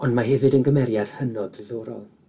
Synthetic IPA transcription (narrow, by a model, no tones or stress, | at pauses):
ɔndmaɦɛvɨdənɡəmɛɾjad̥hənɔdrɪðoːɾɔ̰lˠ